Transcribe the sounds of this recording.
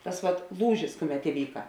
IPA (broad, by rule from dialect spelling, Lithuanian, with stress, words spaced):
ˈtɐs ʋɐt ˈlˠuːʒʲɪs ˈkʊˌmʲɛt ɪˈʋʲiːkɐ